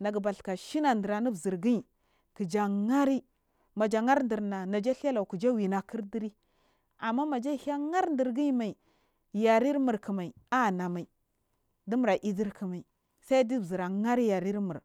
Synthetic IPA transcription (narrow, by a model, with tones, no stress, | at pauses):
na˨ɡba˨ɬka˨ʃi˦na˨ndi˨ɾa˨ni˦bzi˨ɾɡi˦i˨ | ki˨d͡ʒa˨ŋa˦ɾi˦ | ma˨d͡ʒa˨ŋa˦ɾndi˨ɾna˨na˨d͡ʒa˦ɬa˦la˨u˨ku˨d͡ʒa˦wi˨na˨ki˦ɾdi˦ɾi˦ | a˨mːa˦ma˨d͡ʒa˦˨ha˦ŋa˦ɾndi˨ɾɡi˦ma˨i˨ | ja˨ɾi˦ɾmu˨ɾki˨ma˨i˨a˦˨na˨ma˨i˨ | di˦mu˨ɾa˨ʔi˦di˦ɾki˨ma˨i˨ | sa˦i˦di˦˨zi˨ɾa˨ŋa˦ɾi˦ja˨ɾi˦ɾmu˨ɾ